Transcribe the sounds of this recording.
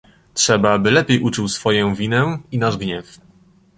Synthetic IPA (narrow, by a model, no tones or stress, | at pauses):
tʂɛbaabɘlɛpʲjejʔut͡ʂɘwsfɔjɔ̃w̃vʲinɛinaʐɡɲɛf